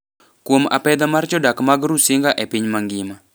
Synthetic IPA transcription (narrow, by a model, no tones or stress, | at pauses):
kuəmʔapɛd̪amart͡ʃɔdakəmaɡəɾusiŋɡaʔɛpiɲmaŋɡima